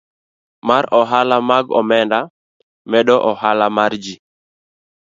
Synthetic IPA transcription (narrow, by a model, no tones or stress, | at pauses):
maɾɔɦalamaɡɔ̰mɛnda | mɛɗɔʔɔhalamaɾd͡ʒi